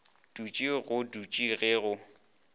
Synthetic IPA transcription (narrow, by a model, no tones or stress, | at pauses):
d̥ut͡ʃʼiɣʊdut͡ʃʼiɣeːɣʊ